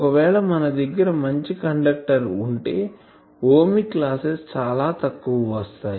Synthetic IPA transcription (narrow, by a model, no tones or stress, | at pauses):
kɐʋɛːɭɐmɐnɐd̪ɐɡːɐɾɐmɐɲt͡ʃikɐɳɖɐk̚ʈɐɾuɳʈe̞ː | oːmiklaːsest͡ʃaːlaːt̪ɐkːuʋɐʋɐst̪aːji